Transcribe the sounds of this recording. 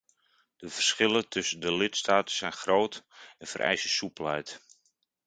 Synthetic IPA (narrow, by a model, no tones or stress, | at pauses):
d̥əvərsχɪlətʰɵsəndəlɪtstaːtəsɛjnxrowtɛnfə̰rʔɛ̰jsəsupəlɛjt